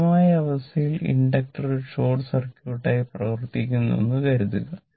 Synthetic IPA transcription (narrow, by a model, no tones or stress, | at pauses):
maːjɐɐʋɐst̪ɐjilḭɳɖɐk̚ʈɐruʂoːɖsɐrkʲjuːʈːɐjprɐʋɐrt̪ikʲːunːo̰nːɨkɐɾuðuɣɐ